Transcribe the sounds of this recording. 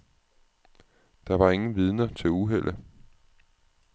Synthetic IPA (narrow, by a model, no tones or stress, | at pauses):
d̥ɑ̈ʋɑ̈e̝ŋn̩ʋið̞ˠnɐt͡sʰe̝luɦel̰ʔə